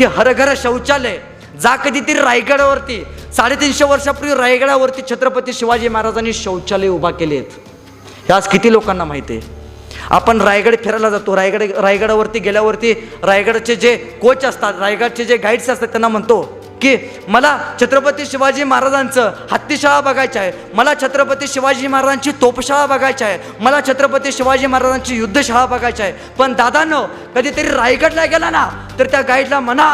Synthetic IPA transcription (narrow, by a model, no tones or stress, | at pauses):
ɦiɦəɾəɡʱəɾəɕəwt͡ɕale | d͡zakəd̪ʱiːt̪əɾiɾajɡəɽaʋəɾt̪iːsaɽet̪inɕeʋəɾʂapɾuɾajɡəɽaʋəɾt̪iːt͡ɕʰət̪ɾəpət̪iːɕiʋad͡ʑiːmaɦaɾad͡zaniːɕəwt͡ɕaleubʱakeleet̪ | ɦjad͡zkit̪iːlokanːamaɦit̪ḛ | a̰pəɳɾajɡɽepʰeɾajlad͡zat̪oɾajɡɽɾajɡəɽaʋəɾt̪iːɡeljaʋəɾt̪iː | ɾajɡəɽat͡ɕed͡zekot͡sast̪aɾajɡaɽt͡ɕed͡zeɡaiɽt͡seast̪at̪janːam̤əɳt̪o | kiː | məlat͡ɕʰət̪ɾəpət̪iːɕiʋad͡ʑiːmaɦaɾad͡zant͡səːhat̪ːiɕaɦabəɡajt͡saje | məlat͡ɕʰət̪ɾəpət̪iːɕiʋad͡ʑiːmaɦaɾad͡zaɲt͡ɕiːt̪opɕaɦabəɡʱajt͡ɕae | məlat͡ɕʰət̪ɾəp̬ət̪iːɕiʋad͡ʑiːmaɦaɾad͡zaɲt͡ɕiːjud̪ʱːəɕaɦabəɡʱajt͡saje | pəɳd̪ad̪ʱanə | kəd̪ʱiːt̪əɾiːɾajɡəɽlaɡelana | t̪əɾt̪jaɡaiɽlaməna